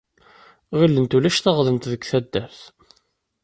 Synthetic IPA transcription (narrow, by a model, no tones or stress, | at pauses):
ʁilːənt̪ulæʃθɑʁðənt̪ðəɡθæd̪ːæɾθ